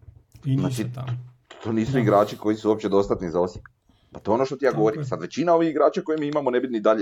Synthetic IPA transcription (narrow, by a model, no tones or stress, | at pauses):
znaːt͡ʃi | t̪ʰoːniːsuiɡɾaːt͡ʃiko̞jisuo̞pt͡ɕe̞d̪o̞st̪at̪nizao̞sjek | pat̪oeonoʃt̪ot̪ijaːɡo̞ʋoɾimsad̪ʋe̞t͡ɕinaoʋixiɡɾaːt͡ʃako̞jemiːimamonebinid̪aʎe